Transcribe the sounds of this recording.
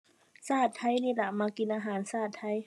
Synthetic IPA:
saː˥˩t̪ʰːa˧˥˩jniː˧˩la˧˩maː˧ki˧nʔaː˧ɦaː˨˩˦nsaː˥˩t̪ʰːa˧˥j

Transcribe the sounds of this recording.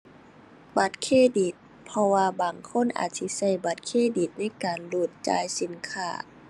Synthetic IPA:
ba˧˦˩t̪̚kʰeː˧˨di˨˩t̪̚ | pʰɔ˧waː˧baː˨˩ŋkʰo˧˥˨nʔa̰ː˨˩t̪̚si˧˥sa˧˩jba˧˩t̪̚kʰeː˧˥˨di˧˨˩t̪̚na˧˥˩jkaː˨nluː˧˩t̪̚t͡ɕa̰ː˧jsi˨˦nkʰa̰ː˧˩

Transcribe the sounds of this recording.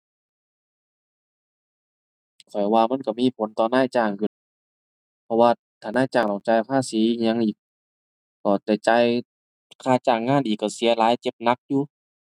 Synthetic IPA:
kʰɔ˨˩jwaː˧ma˧˥˨nka˧˩miː˧˥˨pʰo˨˦nt̪ɔː˨˧naː˧˥˨jt͡ɕaː˧˩ŋkʰɯ˧˩n | pʰɔ˧waː˧ | t̪ʰaː˨˩naː˧˥˨jt͡ɕaː˧˩ŋt̪ɔ˧˨˩ŋt͡ɕa˧jkʰaː˧˥˨siː˨˦i˧ɲa˧ŋʔiː˨˩k̚ː | ɔː˧˩t̪ɛ˧˩t͡ɕa˧j | kʰaː˧˩t͡ɕaː˧˩ŋːaː˧˥˨nʔiː˨˩kːa˧˩si˨˦ɐlaː˨˦jt͡ɕe˧˦p̚na˧˦k̚juː˧

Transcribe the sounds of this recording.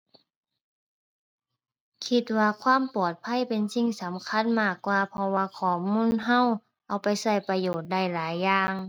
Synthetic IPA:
kʰi˧t̪̚waː˧kʰwaː˧˥˨mpɔː˨˩t̪̚pʰa˧˥˨jpe˨nsi˧˨ŋsa˨˦mkʰa˧˥˨nmaː˧˩kːwaː˧pʰɔ˧waː˧kʰɔː˨˩muː˧˥˨nɦa˧˥˨w | ʔa˧wpa˨jsa˧˩jpa˧joː˨˩t̪̚da˧˩jlaː˨˦jːaː˧ŋ

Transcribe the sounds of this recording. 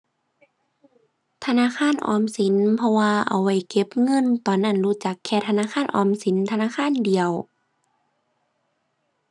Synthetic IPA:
t̪ʰa˧naː˧˥˨kʰaː˧˥˨nʔɔ̰ː˨˧˩msi˨˦npʰɔ˧waː˧ʔa̰˨˩wa˧˩jke˧˦p̚ŋɤ˧˥˨nt̪ɔː˨˩nːa˧˥˨nɾuː˧˩˨t͡ɕa˨˧˦kʰːɛː˧˩t̪ʰa˧naː˧˥˨xʰaː˧˥˨nʔɔː˨˩msi˨˦nt̪ʰa˧naː˧˥˨xʰaː˧˥˨ndi˨əw

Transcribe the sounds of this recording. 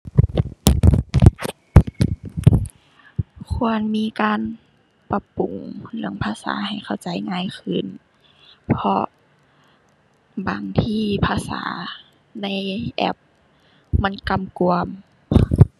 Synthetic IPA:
kʰu˧ənmiː˧˥˨kaː˧˨n | pa˧pu˨˩˦ŋlɯ˧˦əŋpʰaː˧˨sa̰ː˩˦ha˨˩jxʰa˧˩wt͡ɕa˨˩˦jŋaː˧˥˨jxʰɯ˧˩˨n | pʰɔ˧ | ba̰ː˨˦ŋt̪ʰiː˧˥pʰaː˧˨sa̰ː˩˦ | na˧˥˨jʔɛ̰˧p̚ | ma˧˥˨nka˧˩mku˧əm

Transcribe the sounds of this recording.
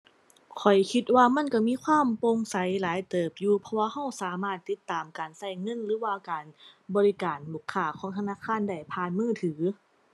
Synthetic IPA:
kʰɔ˨˩jkʰi˧t̪̚waː˧ma˧˥˨nka˧˩miː˧˥˨kʰwaː˧˥˨mpo˧˨ŋsa˨˦jlaː˨˦jt̪ɤː˨˩p̚juː˧pʰɔ˧waː˧ha˧˥˩wsaː˨˦maː˧˩t̪ːi˧˥t̪ːaː˨˩mkaː˨nsa˧˩jŋɤ˧˥˨nlɯː˨˦waː˧kaː˨˩nbɔː˨˧li˧kaː˨˩nluː˧˩kʰːaː˧˩kʰɔː˨˦ŋt̪ʰa˧naː˧˥˨kʰaː˧˥˨nda˧˩jpʰaː˧˨nmɯː˧˥˩t̪ʰɯː˩˦

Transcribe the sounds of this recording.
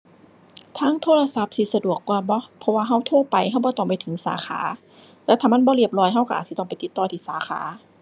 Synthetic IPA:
t̪ʰaː˧˥˨ŋt̪ʰoː˧˥˨la˧sa˧˦p̚si˧˦sa˧du˨˩əkːwaː˧bɔ˧˦pʰɔ˧waː˧ɦa˧˩˨wt̪ʰoː˧˩˨pa˨jha˧˥˩wbɔː˧˦t̪ɔː˧˩ŋpa˧˨jt̪ʰɯ˨˦ŋsa̰ː˨˦xʰa̰ː˨˦ | lɛː˧˩t̪ʰaː˧ma˧˥˨nbɔː˧˦li˧˩əp̚lɔː˧˩jɦa˧˩wka˧ʔaː˨˩si˧˦t̪ɔ˧˨ŋpa˨jt̪i˧˦t̪ːɔː˧˩t̪ʰiː˧˩saː˨˦xʰa̰ː˨˦

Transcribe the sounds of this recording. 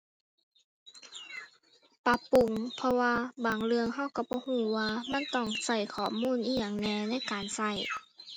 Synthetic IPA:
pa˧˥pːu˨ŋpʰɔ˧waː˧baː˨˩ŋlɯ˧əŋɦa˧˩˨wka˧˩bɔː˧˦huː˧˩waː˧ma˧˥˨nt̪ɔː˧˩ŋsa˧˩jkʰɔː˧˩mːuː˧˥˨nʔiː˧˩jaː˧˩ŋnɛː˧˩na˧˥˨jkaː˨nsa˧˥˩j

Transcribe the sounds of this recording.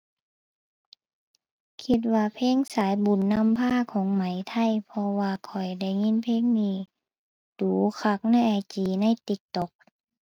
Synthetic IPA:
kʰi˧t̪̚waː˧pʰeː˧˥˨ŋsaː˨˦jbu˨˩nːa˧˥˨mpʰaː˧˥˨kʰɔː˨˦ŋma˨˦jt̪ʰa˧˥˩jpʰɔ˧waː˧kʰɔ˨˩jda˧˩jŋi˧˥˨npʰeː˧˥˨ŋniː˧˩ | d̥uː˨˦kʰa˧˩k̚na˧˥˨jʔa˧˩jt͡ɕiː˨˩na˧˥˨jt̪i˧˦k̚t̪ɔ˧˦k̚

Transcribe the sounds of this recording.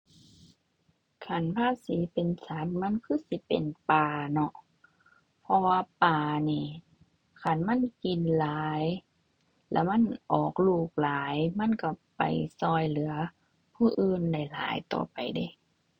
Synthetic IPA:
kʰa˧˩˨npʰaː˧˥˨siː˨˦pe˨nsa˨˦nma˧˥˨nkʰɯː˧˥˨si˧˦pḛ˨npaː˨˩nɔ˧ʔ | pʰɔ˧waː˧paː˨˩niː˧˩ | kʰa˧˩˨nma˧˥˨nki˨nlaː˨˦j | lɛ̰˧˩ma˧˥˨nʔɔː˨˩k̚luː˧˩k̚laː˨˦jma˧˥˨nka˧˩pa̰˨jsɔː˧˩jlɯ˨˦ɐ | pʰuː˧˩ʔɯː˧nda˧˩jla̰ː˨˦jt̪ɔ̰ː˨˩pa˨˩jda˧˩˨

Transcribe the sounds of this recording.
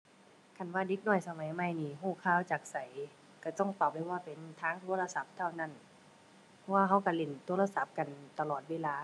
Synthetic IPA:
kʰa˧˩˨nwaː˧˩de˧˦k̚nɔː˧˥˩jsa˧ma˨˦jma˧˩˨jniː˧˩ɦuː˧˩kʰaː˧˩˨wt͡ɕaː˨˩k̚sa˨˦j | ka˧˩t̪ɔ˧˩˨ŋt̪ɔː˨˩p̚la˧˩waː˧˩pe˨nt̪ʰaː˧˥ŋt̪ʰoː˧˥˦la˧sa˧˦p̚t̪ʰa˧˩wna˧˥˨n | pʰɔ˧˥waː˧ɦa˧˥wka˧˩le˧˩˨nt̪ʰo˧˦la˧sa˧˦p̚ka˨nt̪a˧lɔː˨˩t̪̚weː˧˥˨laː˧

